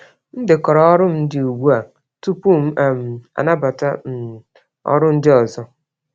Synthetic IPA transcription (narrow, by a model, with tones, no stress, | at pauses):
n̩˦dɪ˨kɔ˨ɾɔ˨ɔ˦ɾʊ˦m̩˦n̩˦dɪ˨u˨ɡʷu˦a˨ | tu˦pu˦m̩˦a˨m̩˨a̰˨na˦ba˨ta˦n̩˨ | ɔ̰˦ɾʊ˦n̩˦dɪ˦ɔ˨zɔ˦